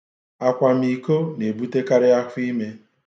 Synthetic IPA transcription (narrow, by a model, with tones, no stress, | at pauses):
a˨kʷa˨m̩˦i˨ko˦ne˨bu˦te˦ka˦ɾɪ˦a˦kʷi˦me˦